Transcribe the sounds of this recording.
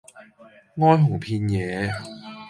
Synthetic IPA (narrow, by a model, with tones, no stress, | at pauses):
ŋɔː˥jɦʊ˨˩ŋpʰi˧njɛː˨˦